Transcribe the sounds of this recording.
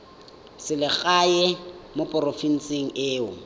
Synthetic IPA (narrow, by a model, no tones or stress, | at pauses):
sɪlɪk͡xʼajɛmopʼʊrofin̩seŋ̩eːʊ